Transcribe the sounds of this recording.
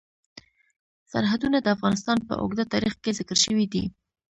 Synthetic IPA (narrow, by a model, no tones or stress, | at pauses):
sa̰ɾɦad̪unad̪əafɣɑnɪst̪ɑnpə̰ʔʊ̰ɡd̪at̪ɑɾixkezɪkəɾʃəwid̪ḭ